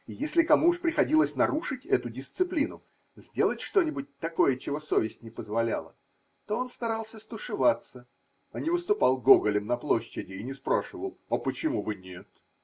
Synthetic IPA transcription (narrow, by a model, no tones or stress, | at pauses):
jesʲlʲɪkɐmuʊʂpɾʲɪxɐdʲilˠəsʲnɐɾuʂɨtʲɛt̪ʊdʲɪst̪sɨplʲinʊ | zʲdʲe̞lˠətʲʂt̪o̞nʲɪbʊt̚ʲt̪ɐko̞jət͡ɕɪvo̞so̞vʲɪsʲtʲnʲɪpəzvɐlʲa̰lˠə̰ | t̪o̞o̞nst̪ɐɾalˠsʲəst̪ʊʂɨvat̪sə | ɐnʲɪvɨst̪ʊpɑlˠɡo̞ɡəlʲɪmnɐplˠo̞ɕːɪdʲɪːnʲɪspɾaʂɨvəlˠɐpət͡ɕɪmubɨnʲe̞t̪